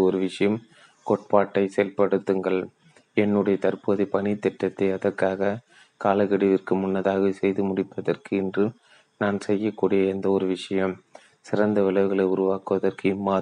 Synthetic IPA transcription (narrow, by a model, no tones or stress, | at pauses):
ɔɾɯʋɪʂɐjɐm | kɔʈ̚paːʈːɐɪseːlpɐɽɯt̪ːɯŋɡɐɭ | ɛnːɯɽɐjɐt̪ɐɾpɯɐðipɐnɪt̪ːɛʈːɐt̪ːɐɪɐðɐrkaːɣɐ | kaːlɐɣɐɽɪʋɪrkɯmʊnːɐðaːɣɐsɛjðɯmʊɽɪpːɐðɐrkɯɪndrɯ | naːnsɛjːɐkːuːɽɪjɐɛnd̪ɐɔɾɯʋɪʂɐjɐm | sɪrɐnd̪ɐʋɪlɐʋɯɣɐɭɐɪʊɾʊʋaːkɯʋɐðɐrkɯɪmːaː